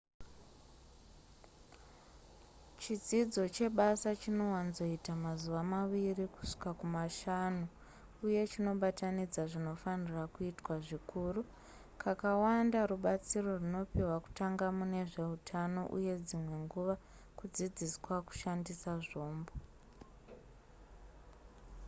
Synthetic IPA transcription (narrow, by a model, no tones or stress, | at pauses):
t͡ʃid͡zid͡zo̞t͡ʃe̞ɓasat͡ʃino̞wanzo̞itamazuʋamaʋiriku̥ʂi̥kakumaʃanu | uje̞t͡ʃino̞ɓatanid͡zaʐino̞fanirakuitwaʐikʰuːru | kʰakawandaruɓat͡siro̞runo̞piwaku̥taŋɡamune̞ʐe̞utʰano̰ʔṵje̞d͡zimwe̞ŋɡuʋa | kud͡zid͡ziswaku̥ʃandisaʐo̞ːmbo